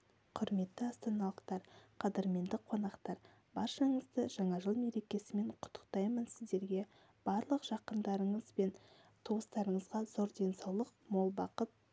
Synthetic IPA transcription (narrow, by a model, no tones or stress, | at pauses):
qʰʊɾme̞t̪ːɪɑst̪ɑnɑlˠəqt̪ɑɾqʰɑd̪eɾme̞nd̪ɪqʰo̞nɑqt̪ɑɾ | bɑɾʃɑɴəzd̪əʒɑɴɑʒəlˠme̞ɾe̞kʲe̞sɪme̞ɴqʰʊ̥t̪ʰːə̥qt̪ɑjmənsɪzd̪e̞ɾɡʲe̞ | b̥ɑɾlˠəqʒ̥ɑqənd̪ɑɾəɴəzbe̞n | t̪ʰoəst̪ɑɾəɴəzʁɑzo̞ɾd̪e̞nsɑwlˠəq̚mo̞lˠbɑqət̪̚